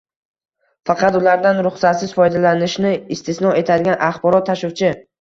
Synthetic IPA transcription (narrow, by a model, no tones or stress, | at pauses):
fɑqʰɑt̪ʊlaɾd̪anɾʊχsat̪sɪz̥fɒjd̪alanɪʃnɪɪst̪ʰɪsnɒe̞t̪ʰad̪ɪɡʲanʔaχbɒɾɒt̪ʰːaʃʊwt͡ʃʰɪ